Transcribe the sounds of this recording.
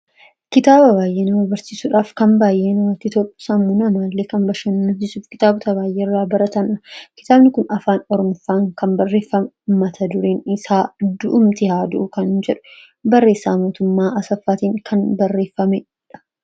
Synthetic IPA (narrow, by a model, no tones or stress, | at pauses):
kɪt̪aːbɐbaːjʔeːnɐmɐbɐɾsiːsuːᶑaːfkɐmbaːjʔe̞ːnɐmɐt̪ɪt̪ɔpːʊ̥sɐmːuːnɐmaːlːeːkɐnbɐʃɐnːɐnsɪsuːfkɪ̥t̪aːbʊt̪ɐbaːjʔeːɪrːaːbɐɾɐt̪ɐnɐ̥kɪ̥t̪aːbnɪkʊnʔɐfaːnɔɾɔmʊfaːŋkɐmbɐrːe̞ːfːɐm | mɐt̪ʰɐd̪ʊɾeːnɪsaːd̪ʊʔʊmt̪ɪhaːd̪ʊʔʊkɐnd͡ʒɛᶑʊ̥ | bɐrːeːsːaːmo̞ːt̪ʊmːaːʔɐsɐfːaːt̪iːŋkʰɐnbɐrːe̞ːfːɐmɛ | ᶑɐ̥